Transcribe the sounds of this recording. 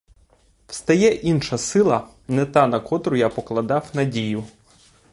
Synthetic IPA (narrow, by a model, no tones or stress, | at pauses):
w̥st̪ɐjɛʔinʃɐsɪlˠɐ | nɛt̪ɑnɐkɔt̪ɾʊjapɔklˠɐd̪ɑwnɐdʲijʊ